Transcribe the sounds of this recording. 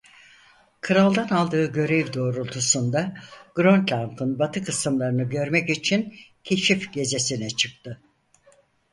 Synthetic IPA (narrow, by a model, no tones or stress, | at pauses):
kʰɯɾalˠd̪analˠd̪ɯːɟø̞ɾɛvd̪o̞ːɾulˠt̪ʰusund̪aɡ̥ɾont̪lʲant̪ʰɯnbat̪ʰɯkʰɯsɯmlˠaɾɯnɯɟø̞ɾmɛcit͡ʃʰincʰe̞ʃifɟe̞ze̞sinɛt͡ʃʰɯk̚t̪ʰɯ